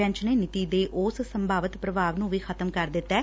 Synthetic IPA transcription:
ɛ̃ɲt͡ʃneːnɪt̪iːd̪eːʔʊːssəmbʱaːʋət̪pɾəbaːʋnũːʋiːkʰət̪əmkəɾd̪ɪt̪ːɛː

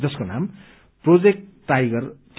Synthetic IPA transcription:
d͡zʌskonam | prod͡zek̚ʈʈːajɡʌrʈ

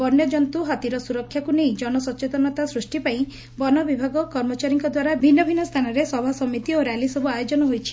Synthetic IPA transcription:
bɔɾnjɔd͡ʒɔnt̪uɦat̪iɾɔsuɾɔkʰːjakunejd͡ʒɔnɔsɔt͡ʃet̪ɔnɔt̪asɾusʈipaĩ | bɔnɔbibʱaɡɔkɔɾmɔt͡ʃaɾiŋkɔd̪waɾabʱinːɔbʱinːɔst̪ʰanɔɾesɔbʱasɔmit̪ioɾjalisɔbuajod͡ʒɔnɔɦojt͡ʃʰi̥

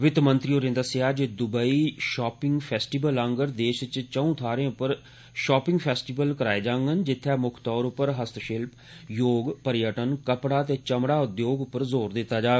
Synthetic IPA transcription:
ʋɪt̪mə̃nt̪ɾiːoːɾẽːnd̪əsɪaːd͡ʒed̪ʊbəiːʃɔːpɪ̃ŋɡpʰɛːsʈiːbələ̃ŋɡəɾd̪eːʃt͡ʃt͡ʃəũːt̪ʰaːɾẽːʊpːəɾ | ʃɔːpɪ̃ŋɡpʰɛːsʈiːbəlkəɾaːeːd͡ʒãːŋɡənd͡ʒɪt̪ʰːɛːmʊkʰt̪ɔːɾʊpːəɾɦəst̪ʰʃɪlp | joːɡpəɾjəʈənkəpɽaːt̪eːt͡ʃəmɽaːʊd̪joːɡʊpːəɾzoːɾd̪ɪt̪ːaːd͡ʒaː

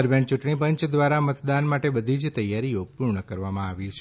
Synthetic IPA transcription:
əɾbɛɳt͡ʃuʈɳipəɲt͡ʃd̪ʋaɾamət̪d̪anmaʈebəd̪ʱid͡ʒt̪əjaɾiopuɾɳəkəɾʋamãaʋit͡ʃʰ

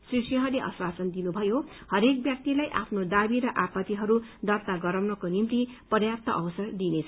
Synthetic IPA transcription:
srisjʌɦʌrleʔʌ̰swat͡sʌnd̪inubʱʌjohʌɾek̚bjak̚t̪ilajʔapʰnod̪abiɾʌʔapʌt̪iɦʌɾud̪ʌrt̪aɡʌɾʌwnʌkonimt̪ipʌrjap̚t̪ʌʔʌbʌsʌrd̪inet͡sʰʌ

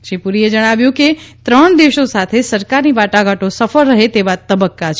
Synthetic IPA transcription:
ʃipuɾied͡ʒəɽ̃aʋjũket̪ɾəɳ̃d̪eʃosat̪ʰesəɾkaɾnibaʈaɡaʈosəfəɾːəɦet̪eʋat̪əbəkːat͡ʃʰ

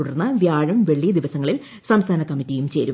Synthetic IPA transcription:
uɽɐrnːɐʋjaːɻɐmʋe̞ɭːijd̪iʋɐsɐŋːɐɭil | sɐmst̪ʰaːnɐkːɐmːitːijumt͡ɕe̞ːɾu

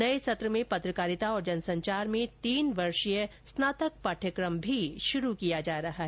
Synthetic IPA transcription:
nɐesɐt̪ɾəmẽpɐt̪ɾəkaːɾɪt̪aɔːɾd͡ʒɐnsɐ̃ɲt͡ʃaːɾmẽt̪iːnʋɐɾʃəjəsnaːt̪ək̚paːʈʰjəkɾəmbʱiʃʊɾukijad͡ʒaːɾɐɦaɦɛː

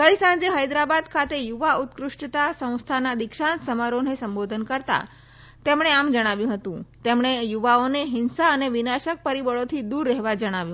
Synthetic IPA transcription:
kəjsãnd͡ʒeɦəjd̪ɾabad̪kʰat̪ejuʋaut̪kɾʊʂʈt̪asə̃w̃st̪ʰanad̪ɪkʃansəmaɾonesəmbod̪ʱənkəɾt̪a̰ | t̪emɽ̃eamd͡ʒəɽ̃aʋjũɦət̪ũt̪emɽ̃ejuʋaoneɦɪnsaəneʋɪnaʃək̚pəɾibəɭot̪ʰid̪uɾːɛɦʋad͡ʒəɽ̃aʋjũ

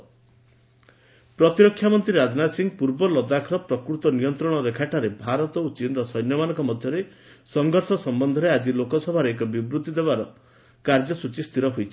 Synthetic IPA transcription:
pɾɔt̪iɾɔkʰːjamɔnt̪ɾiɾad͡ʒnasiŋɡpuɾbɔlɔd̪akʰɾɔpɾɔkɾut̪ɔnijɔnt̪ɾɔɽ̃ɔɾekʰaʈaɾebʱaɾɔt̪ɔut͡ʃinɾɔsɔjnjɔmanɔŋkɔmɔd̪ʱjɔɾe | sɔŋɡʱɔɾsɔsɔmbɔnd̪ʱɔɾead͡ʒilokɔsɔbʱaɾeek̬ɔbibɾut̪id̪eβaɾɔ | kaɾd͡ʒɔsut͡ʃist̪ʰiɾɔɦojt͡ʃʰi̥

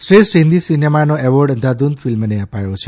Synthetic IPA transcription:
sʈɾesʈɦĩnd̪isinemanoɛʋɔɾɖənd̪ʱad̪und̪filmneəpajot͡ʃʰe

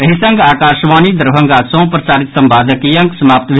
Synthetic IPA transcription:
ɐɦisɐ̃ŋɡaːkaːʃʋaːniːd̪əɾbʱə̃ŋɡaːsõːpɾəsaːɾɪt̪sɐmbaːd̪ʱəkijɐ̃ŋksəmaːpt̪ʋ

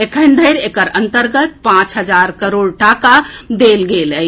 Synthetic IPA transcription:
ekʰənd̪ʱəɪɾekəɾənt̪əɾɡət̪̚pãt͡ʃɦəd͡ʒaɾkəɾoɽʈakad̪elɡeləj

